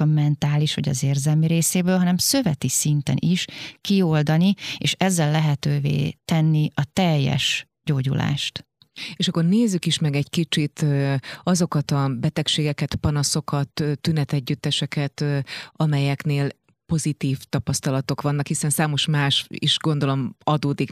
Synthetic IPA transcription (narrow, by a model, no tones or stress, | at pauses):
ɒmɛnt̪aːliʃʋɒ̰ɟɒ̰zeːrzɛlmiɾeːseːbøːlɦɒnɛmsø̞vɛt̪isint̪ɛ̰nʔiʃkio̞ld̪ɒnieːʃɛzːɛlːɛɦɛt̪øːvḛːt̪ɛnːiɒt̪ɛjːɛ̰ʃ | ɟoːɟṵla̰ːʃt̪ | eːʃɒkːorneːzːykiʃmɛɡɛɟkit͡ʃit̪ːɒzo̞kɒt̪ɒbɛt̪ɛkʃeːɡɛkɛt̪pɒnɒso̞kɒt̪ːt̪ːynɛt̪ɛɟːyt̪ːɛʃɛkɛt̪ɒmɛjɛkneːl | po̞zit̪iːft̪ɒpɒst̪ɒlɒt̪o̞kʋɒnːɒkhisɛnsaːmo̞ʃmaːʃḭʃɡo̞nd̪o̞lo̞mɒd̪oːd̪ik